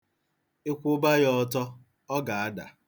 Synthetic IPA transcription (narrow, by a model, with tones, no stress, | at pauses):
e˦kʷʊ˦ba˦jɔ˦tɔ˦ | ɔ˦ɡa˨a˦da̰˨